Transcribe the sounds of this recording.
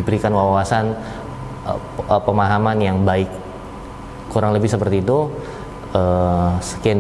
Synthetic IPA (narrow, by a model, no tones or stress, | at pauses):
ibəɾikanwawasan | pəmaɦamanjaŋbaɪk | uɾaŋləbɪhsəpərt̪iːt̪u | əsə̥kɛn